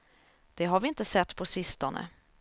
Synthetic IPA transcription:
d̪̥ɛɦaɾvɪɪnt̪əsɛt̪ːpʰɔsɪst̪ɔnə̰

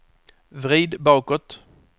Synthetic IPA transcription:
vɾiːd̪bɑːkɔt̪

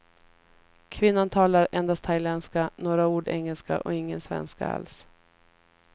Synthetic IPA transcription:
kʰvɪnːant̪ʰɑːlaɾɛnd̪ast̪ʰajlɛnskanoːɾauːɖɛŋːəlska̰ʔɔɪŋːənsvɛ̰nska̰a̰ls

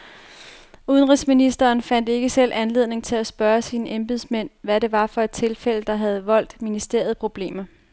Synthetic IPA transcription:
uð̞ˠənʁisminisd̥ɐːnfæn̰d̥e̝ɡ̥əsel̰ʔænle̝ð̰ˠne̝ŋt͡sʰe̝læsb̥ɶːɐsiːnəʔemb̥iðˠsmen̰ʋæɾe̝ʋɑ̈fɒ̽e̝d̥̚t͡sʰe̝lfel̰əd̥ɑ̈ɦæð̞̩ˠʋɒ̽l̰d̥minisd̥e̝ɐð̞̩ˠpʰʁo̝b̥le̝̰ːmɐ

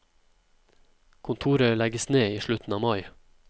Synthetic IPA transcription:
kʰʊnt̪ʰuːɾœlɛɡəsneːiːʃɭʉt̪n̩ɑːmɑɪ

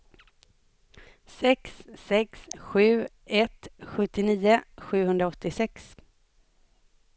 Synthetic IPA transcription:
sɛksːɛksɧʉ̟ː | ɛt̪ɧɵt̪ːɪniːəɧʉ̟ːhɵnd̪ɾaɔt̪ːɪsɛks

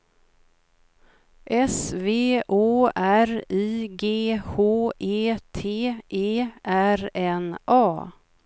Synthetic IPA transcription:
ʔɛsveːʔoːæɾiːɡeːhoːʔeːt̪ʰeːʔeːʔæɾɛnʔɑː

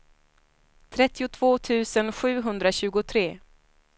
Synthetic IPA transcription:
t̪ʰɾɛt̪ːɪʊt̪ʰv̥oːt̪ʰʉ̟ːsənɧʉ̟ːɦɵnd̪ɾaɕʉ̟ːɡʊt̪ʰɾeː

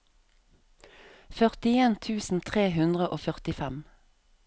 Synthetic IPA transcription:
fœʁt̪ɪeːnt̪ʰʉːsn̩t̪ʰʁeːhʉnd̪ʁəʔoːfœʁt̪ɪfɛm

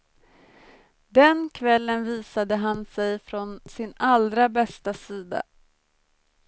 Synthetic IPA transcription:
d̪ɛnkʰvɛlːənviːsad̪əɦansɛjfɾɔnsɪnalɾabɛst̪asiːd̪a̰

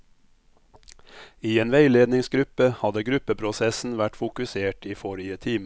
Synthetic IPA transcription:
iːeːnʋeɪleːd̪nɪŋsɡɾʉpəhɑd̪əɡɾʉpəpʰɾʊsɛsn̩ʋæʈfʊkʉseːʈiːfɔɾɪət̪ʰiːm

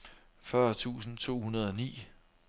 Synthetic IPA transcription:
fɶɐt͡sʰṵːsn̩t͡sʰo̝̰ːhunɐð̞ˠɒ̽nḭː

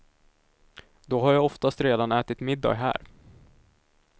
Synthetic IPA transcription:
d̪ɔɦaɾjaːɡɔft̪ast̪ɾeːd̪anɛːt̪ɪt̪mɪd̪ːɑ̰ːɡɦæ̰ːɾ

